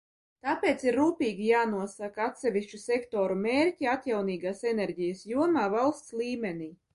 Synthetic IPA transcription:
t̪aːpʲeːt̪siɾːuːpʲiːɡʲijaːnuɔsakat̪sʲɛvʲiʃt͡ʃusʲekt̪oːɾumʲeːɾʲtʲiat̪jawniːɡaːsenɛɾʲɟijasjuɔmaːvalˠst̪sliːmʲenʲiː

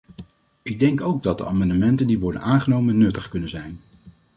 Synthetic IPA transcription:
ɪɡ̚dɛŋkowɡ̚dɑt̚də̰aːmɑndəmɛntəndiʋɔɹdə̰nʔaːnχənowmənːɵtəχkɵnənzɛjn

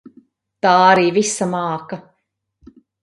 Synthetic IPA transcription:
t̪aːaɾiːvisamɑːka

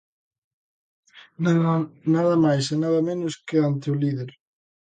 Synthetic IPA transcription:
naðɐmajsenaðɐmẽnʊskɪant̪eʊliðeɾ

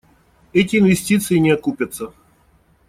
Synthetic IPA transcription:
ɛt̬ʲɪːnvʲɪsʲtʲit̪sɨjɪnʲɪɐkupʲət̪sə

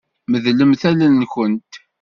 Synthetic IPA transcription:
məðləmθælənːkənt̪

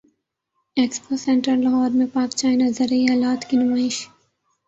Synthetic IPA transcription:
eːksposɛ̃ɳʈəɾlɐɦɔːɾmẽpaːkt͡ʃaːjnɐzəɾɐiaːlaːt̪kinʊmaːɪʃ

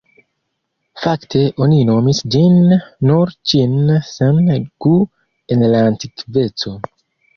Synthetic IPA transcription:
faktʰe̞ʔo̞nino̞misd͡ʒinːuɾt͡ʃinsenɡ̥u | enlaːntikve̞t͡so̞

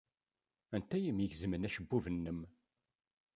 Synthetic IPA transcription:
ænt̪ːæjəmjəʝzəmənæʃəbːuvənːəm

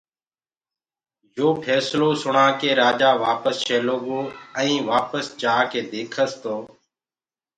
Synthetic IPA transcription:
joːpʰɛːsloːsʊɳaːkeːɾaːd͡ʒaːʋaːpəsʃeːloːɠoːɛ̃ĩːʋaːpəsd͡ʒaːkeːd̪eːkʰəst̪oː

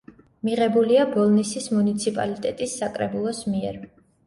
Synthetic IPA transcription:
miʁɛbuliabɔlˠnisismunit̪sʰipʼa̰lit̪ʼɛt̪ʼisːakʼɾɛbulˠɔsmiɛɾ

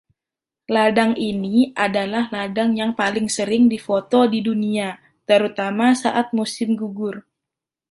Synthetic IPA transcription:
ladaŋiniʔadalahladaŋjaŋpalɪŋsəɾɪŋdifot̪ɔdidunia | t̪əɾut̪amasaʔat̪̚musɪmɡuɡʊr

